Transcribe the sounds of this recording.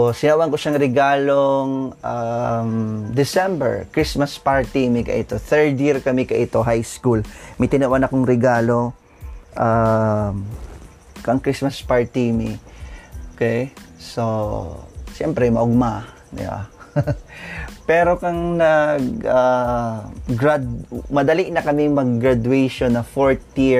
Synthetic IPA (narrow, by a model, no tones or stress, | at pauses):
osɪnɐʔwɐŋkoʃaŋɾɛɡaːloŋʔamd̪ɪsɛmbɛ̰ɹkɾismɐspaɹt̪imɪkɐ̰ʔɪt̪o̞θɛɹd̪jiɹkɐmɪkɐʔɪt̪o̞ɦajskulmɐjt̪ɪnɐʔwʔanɐkoŋɾɛɡaːlo̞ | ʔam | kɐŋkɾismɐspaɹt̪imiʔookɛjso | ʃɛmpɾɛmɐʔʊɡ̚ma | d̪ɪ̰ba̰ | pɛːɾokɐŋnɐɡa | ɡɾad̪̚mɐd̪ɐliʔnɐkɐmɪŋmɐɡ̚ːɾad̪uɛjʃonɐfoɹt̪ji